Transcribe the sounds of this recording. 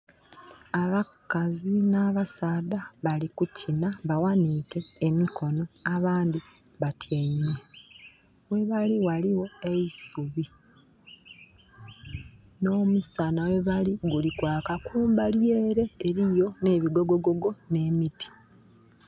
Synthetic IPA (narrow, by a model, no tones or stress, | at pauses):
aβakazinaːβasaːdaβalikucinaβawanike̞ːmikʰo̞no̞aβaːndi | βatʰjaine | we̞βaliwaliwo̞e̞isuβi | no̞ːmusanawe̞βaliɡulikwaːkakuːmbalje̞ːɾe̞ːɾijo̞ne̞ːβiɡo̞ɡo̞ɡo̞ɡo̞ne̞ːmiti̥